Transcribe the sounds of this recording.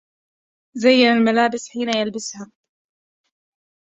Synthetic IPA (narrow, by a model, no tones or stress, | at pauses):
zajːanalmalaːbɪsħiːnajalbɪsha